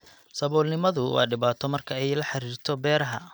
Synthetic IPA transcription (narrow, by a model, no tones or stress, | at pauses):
sɐβɔːlnɪmɐðʊwɑ̰ːɖɪβaːt̪ʰɔmɐrkʰɐɛjlɐħɑɾiːrt̪ʰɔbɛːɾɐɦɐ